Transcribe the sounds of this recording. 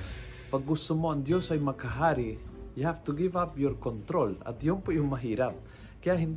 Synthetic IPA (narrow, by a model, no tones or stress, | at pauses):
pɐɡːʊst̪omoʔɐŋd̪josɐjmɐkɐɦaːɾijɐhap̚t̪ʊɡivapjoɾkont̪ɾolɐ̰t̪joŋpʊʔjʊŋmɐɦiːɾap̚ | kɐjaʔɦɪnd̪